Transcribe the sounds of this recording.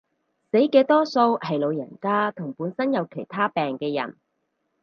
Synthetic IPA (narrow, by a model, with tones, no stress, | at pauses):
se˨˥jkɛː˧t̪ɔː˥so˧whɐ˨jlo˨˧wjɐ˨˩nkaː˥t̪ʰʊ˨˩ŋpuː˨˥nsɐ˥njɐ˨˧wkʰe˨˩jt̪ʰaː˥pɛː˨ŋkɛː˧jɐ̰˨˩n